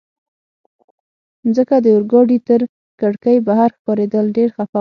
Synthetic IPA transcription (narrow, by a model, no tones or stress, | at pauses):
nd͡zəkad̪əʊɾɡɑɖit̪əɾ | kaɽkəjbaɦaɾxpɑɾed̪əlɖeɾxafa